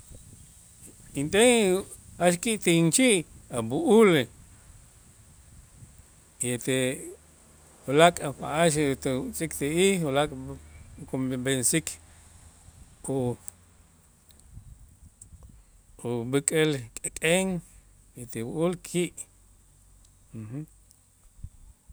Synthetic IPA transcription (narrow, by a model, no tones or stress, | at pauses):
int̪eŋ | aʃkiʔt̪int͡ʃiʔabuʔul | et̪e | olakʼpa̰ʔaʃt̪et͡sʼikt̪eihulakʼkobensikʰ | u | ubɨkʼelkʼekʼeŋet̪ewuʔulkʰiʔ | h̩